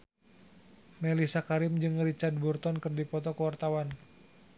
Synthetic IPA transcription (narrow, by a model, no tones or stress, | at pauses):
melisakaɾɪmd͡ʒɨŋrit͡ʃard̪̚burt̪ɔnkɨrdipɔt̪ɔkəwart̪awan